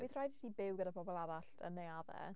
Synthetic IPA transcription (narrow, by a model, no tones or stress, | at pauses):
wiθrajdsibɪwɡədapʰɔbɔlˠaɾaɬtʰə̰nːejaðɛ̰